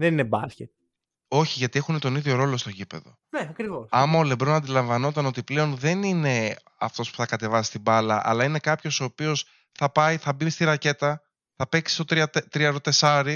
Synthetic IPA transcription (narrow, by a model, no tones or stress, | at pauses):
ðeninebɐscet̪̚ | o̞çiʝɐt̪ie̞xunet̪o̞niðʝo̞ɾo̞lo̞st̪ocipe̞ðo̞̰ | neɐkɾivosɐmɐolebɾo̞nɐnd̪ilɐɱvɐno̞t̪ɐno̞t̪iple̞o̞nðe̞nine̞ | ɐft̪o̞spu̥θɐkɐt̪e̞vɐsi̥st̪ibɐlɐ̰ʔɐ̰lɐine̞kɐpço̞so̞ːpio̞s | θɐpɐjθɐbist̪iɾɐce̞t̪ɐ | θɐpe̞ksi̥st̪o̞t̪ɐt̪t̪ɾiɐɾot̪e̞sɐɾi